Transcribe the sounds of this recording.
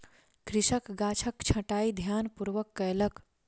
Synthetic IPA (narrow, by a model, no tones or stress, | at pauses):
kɾiʃəkɡat͡ʃʰəkt͡ʃʰə̃ʈaid̪ʱjanpuɾʋəkːəjlək